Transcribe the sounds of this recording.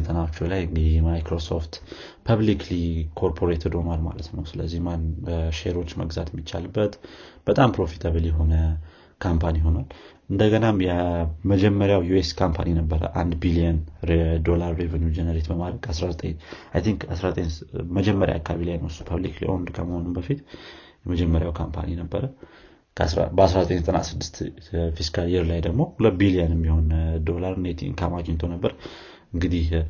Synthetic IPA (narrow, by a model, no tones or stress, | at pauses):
t̪ʰənat͡ʃːulajɨŋɡɨd̪imajkɾo̞so̞ft̪ | pʰaβliklikʰo̞ɾpʰo̞ɾet̪ʰd̪o̞nalma̰lət̪nəwsɨləzːihmanʃeɾo̞t͡ʃːmə̰ɡzat̪jɛmːit͡ʃːa̰lɨbːət̪b̥ət̪ʼampɾo̞fi̥t̪ʰəβəlijɦo̞nə | kʰampʰaniɦo̞nalʔɨnd̪əɡənamjɛməd͡ʒɛmːəɾjawjueskʰampʰa̰ninəbːəɾə̰ʔa̰nd̪bilijəned̪o̞laɾːevənjud͡ʒenəɾet̪bəmad̪ɾəɡ̥kʰasɾazət̪ʼəɲajt̪ʰiŋkasɾazət̪ʼəɲməd͡ʒɛmːəɾja̰akʰːaaβilajnusu̥pʰaβlikla̰jʔo̰nd̪ɨkʰa̰mhonɨmbəfit̪ | jɛməd͡ʒɛmːəɾjawkʰampʰa̰ninəbːəɾə | kʰɾa̰bəasɾazət̪ʼəɲzət̪ʼəna̰sɨd̪ːɨst̪fiskʰaljɛɾlajd̪əɡmo̞hulət̚bilijənmːiho̞nd̪o̞laɾnet̪ʰḭŋkʰamad͡ʒɪɲt̪ʰonəbːəɾ | ɨŋɡɨd̪ih